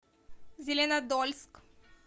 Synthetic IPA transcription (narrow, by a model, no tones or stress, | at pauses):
zʲelenad̪ɔlʲsk